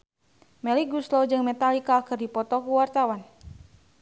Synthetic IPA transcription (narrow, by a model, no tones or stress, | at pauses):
mɛlikɡuslɔd͡ʒɨŋmɛt̪alikakɨrdipɔt̪ɔkuwart̪awan